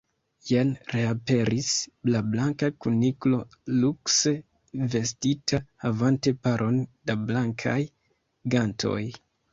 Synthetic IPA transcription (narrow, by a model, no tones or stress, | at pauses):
jenɾeape̞ɾislablaŋkakuniklo̞ | lukse | ve̞stitʰahavante̞paɾʔo̞ndablaŋkʰa̰j | ɡantʰo̞̰j